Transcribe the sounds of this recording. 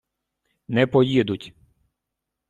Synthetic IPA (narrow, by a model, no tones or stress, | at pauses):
nɛpɔjid̪ʊtʲ